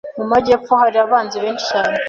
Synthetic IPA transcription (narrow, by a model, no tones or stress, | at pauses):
mumaɟep͡fohaɾiaβaːnzeβeːnt͡ʃi̥t͡ʃaːne